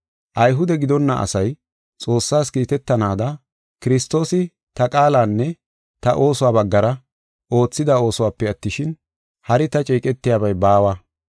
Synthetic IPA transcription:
ʔɐjɦʊd̪ɛɡɪd̪ɔnːɐ̰ʔɐ̰sɐj | t͡sʼo̞ːsːaːskiːt̪ɛt̪ːɐnaːd̪ɐ | kɪɾɪst̪o̞ːsɪ | t̪ɐkʼaːlaːnːɛ | t̪ɐʔo̞ːsʊwaːbɐɡːɐɾɐ | ʔo̞ːt͡sːɪd̪ao̞ːsʊwaːpːɛɐt̪ːɪʃɪn | hɐɾɪt̪ɐt͡ʃʼiːkʼɛt̪ːɪjaːbɐjbaːwɐ

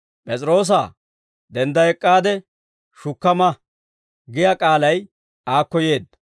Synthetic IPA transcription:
pʼɛt͡sʼɾo̞ːs̬aː | d̪ɛnd̪ɐɛkʼːaːd̪ɛ | ʃʊkːɐmɐ | ɡɪjɐkʼaːlɐj | aːkːɔje̞ːd̪ːɐ

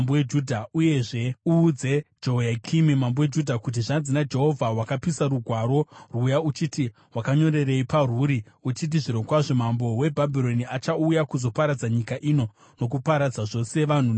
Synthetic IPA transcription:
mbowed͡ʒudʱauje̞ʐe̞uːd͡ze̞d͡ʒo̞jakʰimimambowed͡ʒudʱakut̬iʐand͡zinad͡ʒe̞ɦo̞vʱawakapisaɾuɡʱwaɾo̞rujaut͡ʃiti | wakaɲo̞ɾe̞re̞iparuɾi | ut͡ʃit̬iʐiɾokwaʐemambo̞we̞bʱabʱiɾo̞niat͡ʃaujakuzo̞paɾad͡zaɲikaʔino̞ | no̞kupaɾad͡zaʐo̞se̞ʋan̤u

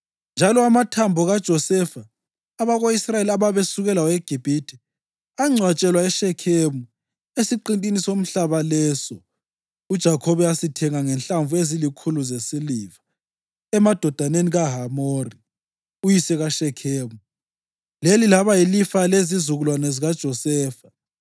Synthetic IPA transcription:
nd͡ʒʱalɔamatʰambʱɔɣad̥ʒ̥ʱɔsɛfaː | βaɣoisrajeliaβaβesuɣɛlaweɡ̥ʱib̥ʱitʰʼi | aŋ͡ǀʱwat͡ʃʼɛlwaɛʃɛkʰemu | esiǃintʼinisom̩ɬaβalɛːsɔ | ud̥ʒ̥ʱakʰɔβɛasitʰɛŋaŋɛnɬaɱvuezilikʰuluzesiliːva | ɛmad̥ʱɔd̥ʱaneniɣaɦamori | ujisɛɣaʃɛkʰeːmu | lelilaβajilifalezizuɣulwanɛziɣad̥ʒ̥ʱɔsɛːfa

